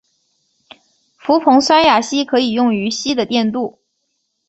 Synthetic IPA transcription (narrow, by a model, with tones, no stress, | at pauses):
fu˧˥pʰʊ˧˥ŋʂwa˥nja˥˩ɕi˥kʰɤ˧˥i˨˩jʊ˥˩ŋy˧˥ɕi˥d̪ə˨t̪jɛ˥˧nt̪u˥˩